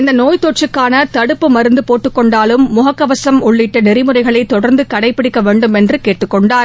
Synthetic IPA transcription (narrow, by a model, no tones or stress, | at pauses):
ɪnd̪ɐnoːjt̪oʈ̚t͡ʃːɯkːaːnɐt̪ɐɽɯpːɯmɐɾɯnd̪ɯpoːʈːɯkːɔɳɖaːlɯmːʊɦɐkːɐʋɐsɐmʊɭːɪʈːɐnɪɾɪmɯrɐɪɣɐɭɐɪt̪ːɔɽɐɾnd̪ɯkɐɽɐɪpːɪɽɪkːɐʋeːɳɖɯmɛndrɯkeːʈːɯkːɔɳɖaːɾ